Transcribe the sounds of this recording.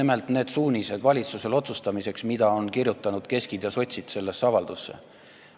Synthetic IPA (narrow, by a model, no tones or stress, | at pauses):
ime̞lt̪ne̞ːd̪̥suːnʲise̞d̪vɑlʲit̪suse̞lo̞t̪sust̪ɑmise̞ksmid̪̥ɑo̞nkirjut̪ːˑɑnud̪̥ke̞skid̪̥jɑso̞t̪ʲsid̪̥se̞lːe̞sːɑvɑld̪̥usːe̞̰